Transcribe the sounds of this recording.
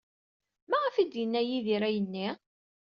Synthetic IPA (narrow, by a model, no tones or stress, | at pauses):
mæʁəfid̪jənːæjiðiɾæjənːi